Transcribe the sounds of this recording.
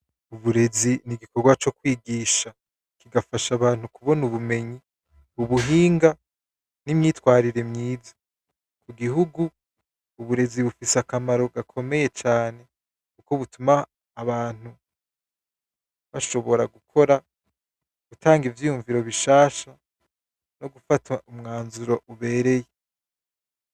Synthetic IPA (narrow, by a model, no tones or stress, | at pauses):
uβuɾe̞ziniɡiko̞ɡwat͡ʃo̞kwiːɡiːʃa | kiɡafaʃaβaːnhukuβo̞nuβume̞ɲi | uβuɦiːŋɡa | nimɲiːtwaːɾiɾe̞mɲiːzo̥ | kuɡiɦuɡuː | βuɾe̞ziβufisakamaɾo̞ɡakʰo̞me̞je̞t͡ʃaːne̞ | kuko̞βutumaː | βaːn̥u | βaʃo̞βo̞ɾaɡukʰo̞ɾa | ɡ̥utʰaːŋɡivjiːjuɱviɾo̞βiʃaːʃa | no̞ɡufatʰaumŋaːnzuɾo̞ʔuβe̞ːɾe̞je